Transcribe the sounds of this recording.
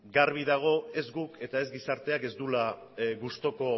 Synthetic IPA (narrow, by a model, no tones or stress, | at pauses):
ɡaɾβ̞iðaɣ̞o̞e̞zɡuke̞t̪ae̞zɡisaɾt̪e̞ake̞zd̪ula | ɣust̪o̞ko̞